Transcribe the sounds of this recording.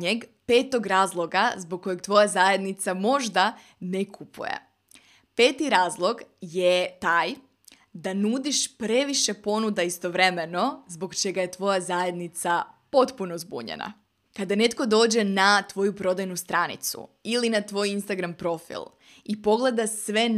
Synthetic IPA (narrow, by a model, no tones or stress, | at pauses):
ɲeɡpe̞ːt̪o̞ɡɾaːzlˠo̞ɡazboɡ̚kːo̞jeɡ̚t̪ʋo̞jazaje̞d̪nit̪samo̞ʒd̪a | nekʰupṵjḛ | pe̞ːt̪iɾaːzlˠo̞ɡjet̪aːj | d̪anuːd̪iʃpɾe̞ʋiʃe̞po̞nud̪aist̪o̞ʋɾe̞me̞no̞zbo̞ɡt͡ʃe̞ɡaje̞t̪ʋo̞jazaje̞d̪nit̪sapo̞t̪puno̞zbṵɲḛna̰ | kad̪ane̞t̪ko̞d̪o̞ːd͡ʑe̞nat̪ʋo̞jupɾo̞d̪ajnust̪ɾanḭt̪sṵilinat̪ʋo̞jinst̪aɡɾampɾo̞fḭlˠ | ipo̞ɡle̞d̪asʋe̞